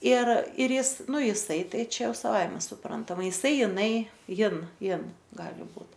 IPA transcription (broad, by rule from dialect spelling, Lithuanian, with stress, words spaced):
ɪr ɪr ˈjɪs ˈnʊ jɪˈsɐɪ ˈtɐɪ ˈt͡ʃʲɛ ˈjɛʊ sɐˈʋɐɪmʲɛ sʊˈprɐntɐmɐ jɪˈsɐɪ jɪˈnɐɪ ˈjɪn ˈjɪn ˈɡɑːlʲɪ ˈbuːt